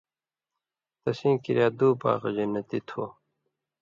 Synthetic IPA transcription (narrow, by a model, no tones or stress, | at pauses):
t̪ɐsĩːkiɾjaːd̪uːpa̰ːʁɐd͡ʑɐnːɐt̪it̪ʰoː